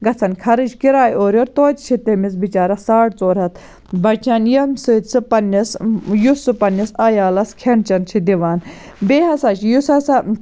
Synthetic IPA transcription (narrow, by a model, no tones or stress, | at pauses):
ɡɐt͡sʰɐnkʰɐɾɨd͡ʒkiɾaːjoːɾjoːɾt̪oːt̪t͡ʃʰit̪emis̬bit͡ʃaːɾɐsaːʈt͡soːɾɐt̪ʰ | bɐt͡ʃʰaːnjɐmsɨt͡sʰɨpɐnːisjusɨpɐnːisajaːlɐskʰeɳt͡ʃɐnt͡ʃʰid̪iʋaːn | beːɦɐsaːt͡ʃʰijusɐsɐ